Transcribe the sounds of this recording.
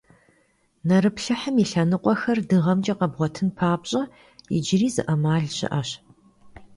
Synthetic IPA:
nɐɾɨpɬɨħəmiɬɐnɨqʷʼɔxɐrdɨʁɐmd͡ʒʼɐqɐbʁʷɔtʰɨnpʰaːbɕʼɐ | ɪ̰d͡ʒɪriːzɨ̰ʔɐmaːɮɕɪ̰ʔɐɕ

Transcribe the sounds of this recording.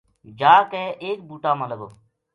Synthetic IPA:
d͡ʒaːkɛːʔeːk̚buːʈaːmãːləɡo̰ː

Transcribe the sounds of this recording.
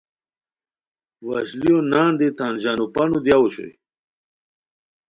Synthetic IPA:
wɐɕlijonãːnd̪it̪aːnd͡ʑaːnupɐnud̪jawuɕo̰j

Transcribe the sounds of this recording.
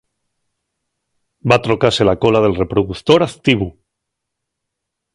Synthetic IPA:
bat̪ɾo̞kase̞lako̞laðe̞lre̞pɾoðuθt̪o̞ɾaθt̪iβu

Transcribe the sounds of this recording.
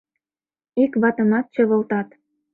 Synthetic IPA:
ikβɑt̪ə̆mɑt̪̚t͡ɕɤ̆βəlt̪ɑt̪

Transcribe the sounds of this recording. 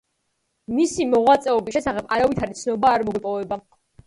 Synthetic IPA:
misimɔʁwat̪sʼɛɔbisʃɛsaχɛbaɾavit̪ʰaɾit̪sʰnɔbaːɾmɔɡipʼɔvɛba

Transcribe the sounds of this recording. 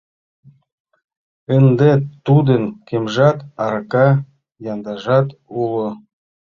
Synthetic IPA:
ə̆nd̪et̪ud̪ə̆nkemʒɑt̪ɑɾkɑ | jɑnd̪ɑʒɑt̪ulŏ

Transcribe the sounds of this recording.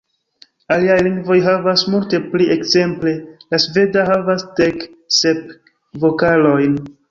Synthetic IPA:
aliajliŋɡvo̞jɦavasmulte̞pliʔekze̞mple̞lasve̞daɦavasde̞kse̞p̚ | vo̞kalo̞jn

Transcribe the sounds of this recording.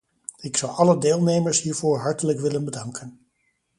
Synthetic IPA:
ɪksʌwʔɑlədeːlˠnejməɹsɦiːɹvʊːɹɦɑɹtələkʋɪlənbədɑŋkʰən

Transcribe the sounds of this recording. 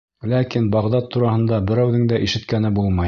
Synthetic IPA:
lækinbɑʁd̪ɑt̪ʰːuɾɑhɤ̆nd̪ɑbɘ̆ɾæwðɘŋd̪æʔiʃɘ̆t̪kænɘbulˠmɑj

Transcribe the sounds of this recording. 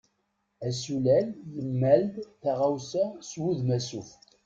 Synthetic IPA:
æsulæljəmːæld̪θaʁawsæswuðmæsuf

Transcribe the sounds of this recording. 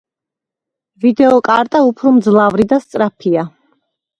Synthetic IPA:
vid̪ɛɔkʼaɾt̪ʼaupʰɾɔmd̪zlˠavɾid̪ast̪sʼɾapʰia

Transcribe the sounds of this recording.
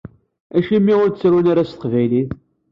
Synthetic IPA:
æʃimːiʊɾt͡sːɾwinaɾast̪əqvæjliθ

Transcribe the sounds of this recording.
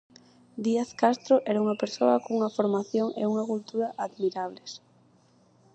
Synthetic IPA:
d̪iaθkast̪ɾoʔɛɾauŋɐpeɾsoɐkouŋɐfoɾmaθjoŋḛuŋɐkult̪uɾaʔaðmiɾaβ̞les

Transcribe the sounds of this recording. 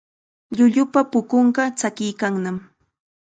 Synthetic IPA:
ʎʊʎʊpapʊkoɴɢɑt͡sakɪjkaŋnam

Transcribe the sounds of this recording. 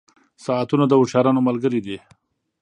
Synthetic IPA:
saat̪unad̪əʊʃɑɾɑnomalɡəɾid̪i

